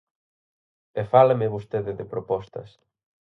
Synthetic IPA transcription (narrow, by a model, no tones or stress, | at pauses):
efalemɪβust̪eðɪðepɾopɔst̪ɐ̰s